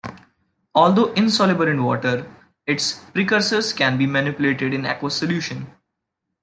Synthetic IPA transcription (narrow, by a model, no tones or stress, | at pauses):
ɔːld̪oːʔɪ̃nsɔːlɪbəlɪ̃nʋɔːʈəɾ | ɪʈspɾiːkəɾsəzkɛ̃nbiːmænɪpjʊleːʈɪɖɪ̃nɛ̰kʋəsəljuːʃə̃n